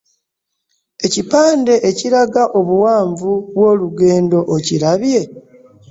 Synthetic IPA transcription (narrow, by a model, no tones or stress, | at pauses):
e̞cipaːnde̞ʔeciɾaɡaʔo̞βuwaːɱvuβwo̞ːluɡe̞ːndo̞ʔociɾaβje̞